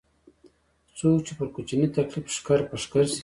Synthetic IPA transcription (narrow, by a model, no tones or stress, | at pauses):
t͡sok̚t͡ʃipəɾkut͡ʃinit̪aklifʃkaɾpəʂkaɾs